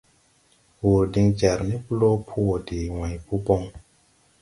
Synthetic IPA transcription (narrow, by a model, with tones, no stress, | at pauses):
hu˨ɾdi˧ŋt͡ʃɛ˨ɾni˦plo˦pʰu˦wo˨di˨wã˨jpʰu˦po˧ŋ